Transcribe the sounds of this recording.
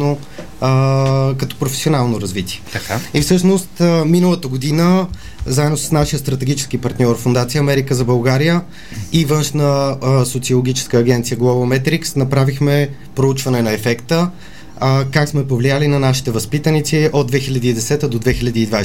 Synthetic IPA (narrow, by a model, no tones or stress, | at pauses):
no | kɐt̪ɔ̥pɾofɛ̥sionalˠnoɾɐzvit̪iɛt̪kaifsɤʃnost̪minəlˠət̪əɡod̪inə | zaɛd̪nosə̥snaʃijəst̪ɾət̪ɛɡ̟it͡ʃɛ̥skipɐɾt̪nʲɔɾfond̪at̪sijəɐmɛɾikəzɐbɐlˠɡaɾijə | ivɤnʃnəsot̪siolˠoɡ̟ʲit͡ʃɛ̥skəːɡ̟ɛnt̪sijəɡlˠɔvomɛt̪ɾiksnɐpɾavixmɛ | pɾout͡ʃvɐnɛnɐɛfɛkt̪ə | kaksmɛpovlijalinɐnaʃi̥t̪ɛvɐspit̪ənit̪siod̪vɛxilʲəd̪iːd̪ɛsɛt̪əd̪od̪vɛxilʲəd̪iːd̪va